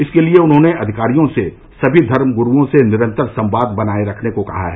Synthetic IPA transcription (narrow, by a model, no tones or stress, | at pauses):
ɪskelieʊnɦõneʔɐd̪ʱɪkaːɾijõse | sɐbʱid̪ʱɐɾmɡʊɾuõsenɪɾə̃nt̪əɾsɐ̃mbaːd̪̚bɐnaːeɾɐkʰnekokɐ̰ɦa̰ɦɛː